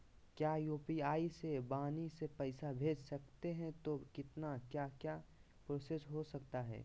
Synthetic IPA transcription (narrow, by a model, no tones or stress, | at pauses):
kjaːjuːpiaːisebaːnisepɛɪsabʱeːd͡ʒsɐkt̪eɦɛ̃t̪okɪt̪nakjaːkjaː | pɾoːsesɦosɐkt̪aɦɛ̰ː